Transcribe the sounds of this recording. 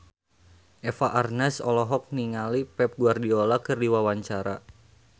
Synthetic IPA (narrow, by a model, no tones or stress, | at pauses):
ʔɛfaʔarnɛsɔlɔɦɔk̚niŋalipɛp̚ɡuardiɔlakɨrdiwawaɲt͡ʃaɾa